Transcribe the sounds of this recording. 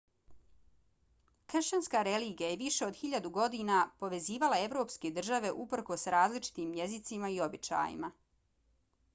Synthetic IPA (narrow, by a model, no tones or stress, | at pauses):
kr̩ʃt͡ɕanskaɾe̞liːɡijaje̞ʋiʃe̞o̞d̪xiʎad̪uɡo̞d̪iːnapo̞ʋe̞ziːʋalˠae̞ʋɾo̞ːpske̞d̪r̩ʒaʋe̞ʔupr̩ko̞sɾaːzlit͡ʃi̥t̪iːmje̞zit̪simaio̞bit͡ʃa̰ːjḭma